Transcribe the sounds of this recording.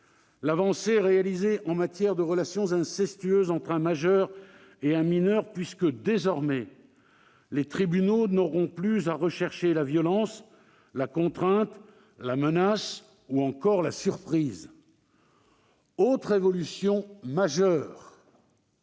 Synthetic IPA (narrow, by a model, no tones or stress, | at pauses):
lavɑ̃seʁealizeʔɑ̃mat̪jɛʁd̪əʁəlasjɔ̃zɛ̃sɛst̪ɥøzɑ̃t̪χɛ̃maʒœʁ | eɛ̃minœʁpɥiskəd̪ezɔʁmɛ | let̪χibynonɔʁɔ̃plyzaʁəʃɛʁʃelavjɔlɑ̃s | lakɔ̃t̪χɛ̃t̪ | lamənas | uɑ̃kɔʁlasyʁpχiːz | ot̪χevɔlysjɔ̃maʒœːʁ